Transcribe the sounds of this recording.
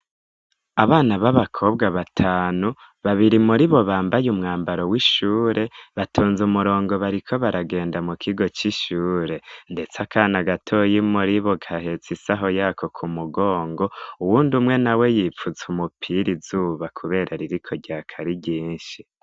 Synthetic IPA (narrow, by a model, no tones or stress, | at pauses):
aβaːnaβaβakʰo̞bɡaβatʰaːnu | βaβiɾimuɾiβo̞βaːmbajumŋaːmbaɾo̞wiʃuːɾʔe̞βatʰuːnzumuɾo̞ːŋɡo̞βaɾikʰo̞βaɾaɡe̞ːndamukʰiɡo̞t͡ʃiʃuːɾe̞nde̞t͡sakʰaːnaɡatʰo̞jimuɾiβo̞ɡahe̞t͡sisaɦo̞jaːkʰo̞kʰumuɡo̞ːŋɡo̞uwuːndumŋe̞nawe̞jiːfuzumupʰiɾizuːβakʰuβe̞ːɾʔaɾiɾikʰo̞ɟaːkʰaɾiɟiːnʃi